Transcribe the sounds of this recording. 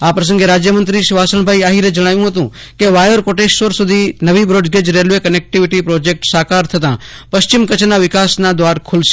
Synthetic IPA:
apɾəs̬ə̃ŋɡeɾaːd͡ʒjəmə̃nt̪ɾiʃɪʋaːsəɳ̃bʱaːiaːɦiɾed͡ʒəɽ̃aːjũɦət̪ũ | keʋaːjəɾkoːʈeːʃsʋəɾsʊd̪ʱinəʋibɾoːɖɡed͡ʒɾelʋekənek̚ʈɪʋɪʈipɾoːd͡ʒek̚ʈsaːkaːɾt̪ʰɐt̪ã | pəst͡ʃɪmkət͡ʃnaʋɪkaːsnad̪ʋaːɾkʰʊlʃ

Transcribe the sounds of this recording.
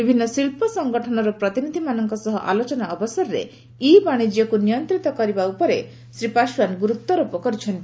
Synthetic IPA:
bibʱinːɔsilpɔsɔŋɡɔʈʰɔnɔɾɔpɾɔt̪inid̪ʱimanɔŋkɔsɔɦɔʔa̰lot͡ʃɔnaɔbɔsaɾɾḛ | ibaɽ̃id͡ʒiɔkunijɔnt̪ɾit̪ɔkɔɾibaupɔɾe | sɾipaʃwanɡuɾut̪ːɔɾupɔkɔɾit͡ʃʰɔnt̪i

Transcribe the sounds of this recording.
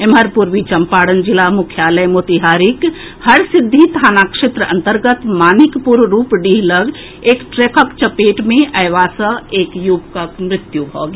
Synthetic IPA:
eməɾpuɾʋit͡ʃɐmpaːɽənd͡ʒɪlamʊkʰjaːləjmoːt̪iɦaːɾɪk | hɐɾsɪd̪ʱːit̪ʰaːnaːkʃet̪ɾəʔɐ̰̃nt̪əɾɡət̪maːnɪkpuɾɾuːpɖiːɦləɡ | eːkʈɾeːkəkt͡ʃɐpeːʈmẽʔɐjʋaːsəeːkjuːbkəkmɾɪt̪jubʱo̰ːɡ

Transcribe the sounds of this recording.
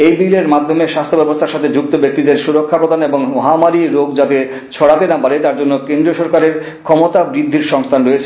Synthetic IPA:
ejbileɾmad̪ʱːomeʃast̪ʰobɛbost̪ʰaɾʃat̪ʰed͡ʑuk̚t̪obek̚t̪id̪eɾʃuɾokʰːapɾod̪ʱaneboŋmɔɦamaɾiɾoɡd͡ʑat̪e | t͡ɕʰɔɽat̪enapaɾet̪aɾd͡ʑonːokend̪ɾioʃɔɾkaɾeɾ | kʰɔmot̪abɾid̪ʱːiɾʃɔŋst̪ʰanɾojet͡ɕʰe̥

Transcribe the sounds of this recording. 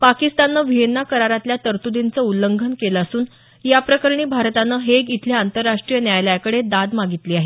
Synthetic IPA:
pakist̪anːəʋiɦenːakəɾaɾat̪ljat̪əɾt̪ud̪int͡səuləŋɡʱənkelasuːn | japɾəkəɾɳiːbʱaɾt̪anəɦeɡit̪ʰljaant̪əɾːaʂʈɾijənjajljajkəɽed̪ad̪maɡit̪liːaɦe

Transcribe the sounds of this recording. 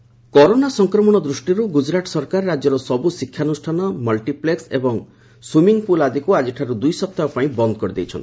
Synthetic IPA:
kɔɾonasɔŋkɾɔmɔɽ̃ɔd̪ɾusʈiɾuɡud͡ʒɾaʈsɔɾkaɾːad͡ʒɔɾɔsɔbusikʰːjanusʈʰanɔmɔlʈipleksebɔŋ | swumiŋpulad̪ʱikuad͡ʒiʈʰaɾud̪ujsɔp̚t̪aɾɔpaĩbɔnd̪ɔkɔɾid̪ejt͡ʃʰɔ̰ni̥

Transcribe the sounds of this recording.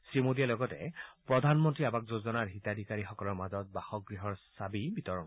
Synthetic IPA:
sɹimodijalɔɡɔtɛ̰pɹɔdʱanmɔntɹiabak̚zozɔnaɹɦitadʱikaɹixɔkɔlɔɹmazɔt̚baxɔk̚ɡɹiɦɔɹsabibitɔɹɔn

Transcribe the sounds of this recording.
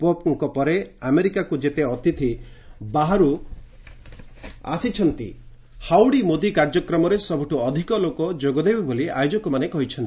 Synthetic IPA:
pop̚ŋkɔpɔɾeameɾikakud͡ʒet̪eɔt̪it̪ʰibaɦaɾu | a̰sit͡ʃʰɔnt̪ḭ | hawɽimod̪ikaɾd͡ʒɔkɾɔmɔɾesɔbʱuʈʰuɔd̪ʱikɔlokɔd͡ʒoɡɔd̪ebibolia̰jod͡ʒɔkɔmanekɔɦit͡ʃʰɔnt̪i

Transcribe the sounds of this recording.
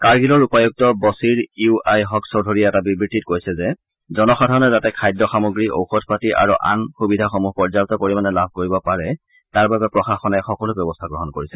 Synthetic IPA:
kaɹɡilɔɹupajuɡ̚tɔbɔsiɹiuajɦɔksɔdʱoɹiɛɛtabibɹititkojsɛzɛ | zɔnɔxɔdʱaɹɔnɛzatɛkʰajdɔxamoɡɹiʔo̰wxɔtʰpatiʔa̰ɹuʔa̰nxubidʱaxomuɦpɔɹzaltɔkoɹimanɛlabʱkoɹibɔpaɹɛ | taɹbabɛpɹɔxaxɔnaxɔkɔlʊbjɔbɔstʰaɡɹɔɦɔnkoɹisɛ

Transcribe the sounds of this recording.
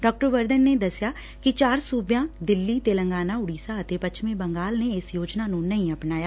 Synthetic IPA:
ɖɔːk̚ʈəɾʋəɾd̪ənːeːd̪əsːjaː | kɪt͡ʃaːɾsuːbjãːd̪ɪlːiːt̪eːləŋɡaːnaːʊɽiːsaːət̪eːpətʃmẽːbəŋɡaːlneːɪsjoːd͡ʒnaːnũːnəĩəpnaːjaː

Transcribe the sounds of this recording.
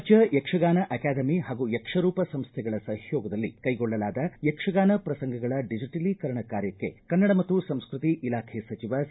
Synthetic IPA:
t͡ʃɐjekʂɐɡaːnɐʔɐkaːd̪ɐmiɦaːɡujekʂɐɾuːpɐsɐmst̪ʰɛɡɐɭɐsɐɦjɔːɡɐd̪ɐlːḭkɐjɡɔɭːɐlaːd̪ɐjekʂɐɡaːnɐpɾɐsɐŋɡʱɐɡɐɭɐɖid͡ʒiʈɐlikɐɾɐɳɐkaːɾjɐkːe̞̰kɐnːɐɽɐmɐt̪ːusɐmskɾut̪iʔilaːkʰesɐt͡ʃiʋɐ

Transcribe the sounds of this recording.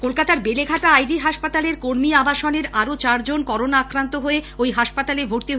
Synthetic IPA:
kolkat̪aɾbeleɡʱaʈaajɖiɦaʃpat̪aleɾkoɾmiabaʃoneɾaɾot͡ɕaɾd͡ʑonkɔɾonaːkɾant̪oɦoeojɦaʃpat̪alebʱoɾt̪e

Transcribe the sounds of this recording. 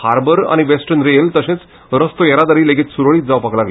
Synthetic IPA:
haɾbəɾa̰ñiʋesʈənɾejəlt̪əsẽt͡s | ɾəst̪ojəɾad̪aɾiːleɡet̪suɾɭiːt̪̚d͡zaʋpaklaɡ

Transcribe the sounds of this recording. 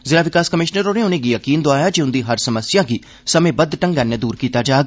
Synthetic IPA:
zɪɾaːʋɪkaːskəmɪʃnəɾoːnẽːʊnẽːɡiːjəkiːnd̪oaːjaːd͡ʒeʊnd̪iːɦəɾsəməsɪjãːɡiː | səmẽːbəd̪ʈə̃ŋɡɛnːeːd̪uːɾkiːt̪aːd͡ʒaːɡ

